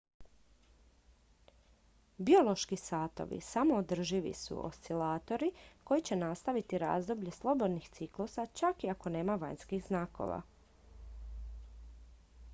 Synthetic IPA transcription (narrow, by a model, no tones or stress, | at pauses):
bio̞lˠo̞ʃkisaːt̪o̞̰ʋḭsamoːd̪r̩ʒiʋḭsṵo̰st̪ilaːt̪o̞ɾiko̞jit͡ɕe̞nast̪aʋit̪iɾa̰ːzd̪o̞bʎe̞slˠo̞bo̞d̪nixt̪siklˠusat͡ʃakiako̞ne̞ːmaʋajɲnskiɣznaːko̞̰ʋa̰